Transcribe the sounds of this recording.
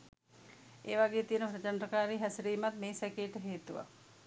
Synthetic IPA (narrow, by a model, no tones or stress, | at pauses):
eːʋaɡeːt̪ijənəpɾət͡ɕandɾəkaːɾiːɦɛsɾiːmat̪meːsɛkeːʈəɦeːt̪uʋa̰